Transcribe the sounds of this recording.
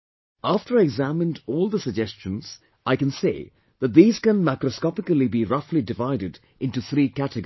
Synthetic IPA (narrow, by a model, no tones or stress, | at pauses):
aftəɾɛɡzæmɪ̃ndɔːlˠd̪əsəd͡ʒɛst͡ʃə̃nz̥ | ʔaɪkɨ̃nseː | ðət̚ðiːz̥kə̃nmaɪkɾəskɑpɪkəlibiɾʌflidɪvaɪɾɪd | ɪ̃ntuθɾiːkætɨɡ